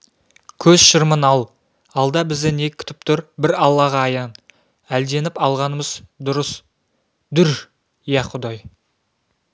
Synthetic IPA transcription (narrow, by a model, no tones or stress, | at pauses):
kʲʰɵzʃəɾmənɑlˠ | ɑlˠd̪ɑbɪzd̪ɪnek̚ʲkʲʰʏ̥t̪ɪ̥p̚t̪ʰʊɾbɪɾɑlˠːɑʁɑːjɑn | æld̪e̞nɪpɑlˠʁɑnəməzd̪ʊɾəs | d̪ʏɾ | jɑqʰʊd̪ɑj